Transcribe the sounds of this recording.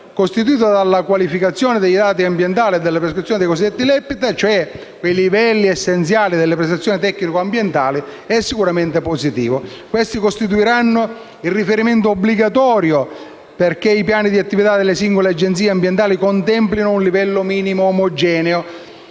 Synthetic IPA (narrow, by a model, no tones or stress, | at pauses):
kost̪it̪̬uiːt̪od̪alːakwalifikat̪sːjoːned̪ejd̪aːt̪̬iambjent̪aːlied̪ːelːepɾeskɾit̪sːjonid̪ejkosid̪ːet̪ːilɛpːit̪at͡ʃoɛ | kweilivɛlːiesːent̪sjaːlid̪elːepɾest̪at̪sːjɔːnit̪ɛkːnikoambjent̪aːli | ɛsːikuɾament̪eposit̪ḭːvo | kwest̪ikost̪it̪̬uiɾanːo | ilrːifeɾiment̪oobliɡat̪ɔːɾjo | perk̟eipjaːnid̪iat̪ːivit̪ad̪ːelːesiŋɡolead͡ʒent̪siːeambjent̪aːlikont̪ɛmplinounlivɛlːomiːnimoːmod͡ʒɛːneo